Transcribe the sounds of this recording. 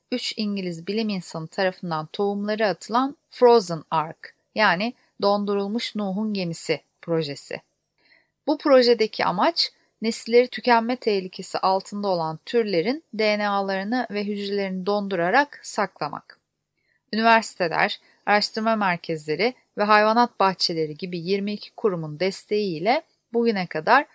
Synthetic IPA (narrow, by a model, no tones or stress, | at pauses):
yt͡ʃiɲɟilʲizbilʲiminsanɯt̪ʰaɾafɯnd̪ant̪ʰoumlˠaɾɯat̪ʰɯlˠanfɾo̞zɯnaɾk | jaːnɪ | d̪o̞nd̪uɾulˠmuʃnuːɦunɟe̞misɪ | pʰɾo̞ʒe̞sɪ̰ | b̥upʰɾo̞ʒe̞d̪ecʰia̰mat͡ʃ | nesilʲːeɾit̪ʰycʰæmːɛt̪ʰehlʲicʰe̞sḭʔalˠt̪ʰɯnd̪ao̞lˠant̪ʰyɾlʲe̞ɾind̪ejnealˠaɾɯnɯvɛɦyd͡ʒɾelʲe̞ɾinid̪o̞nd̪uɾaɾaksaklˠama̰k | ynivæɾsi̥t̪ʰe̞lʲæ̰ɾ̥ | aɾaʃt̪ʰɯɾmamæɾcʰɛzlʲe̞ɾɪ | vɛɦajvanat̪̚baxt͡ʃʰe̞lʲe̞ɾiɟibijiɾmiːcʰi̥kʰuɾumund̪ɛst̪ʰe̞jiːlʲɛ | buɟynɛkʰad̪aɾ̥